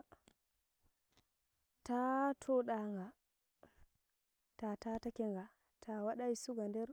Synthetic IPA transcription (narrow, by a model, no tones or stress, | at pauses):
tatʰɔɗaŋɡa | tatatakɛŋɡa | tʰawaɗaisuɡandɛɾ